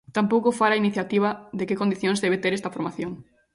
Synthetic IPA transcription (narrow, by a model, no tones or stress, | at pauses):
t̪ampowkofaɾainiθjat̪iβ̞ɐðekekond̪iθjõŋszðeβet̪eɾest̪ɐfoɾmaθjoŋ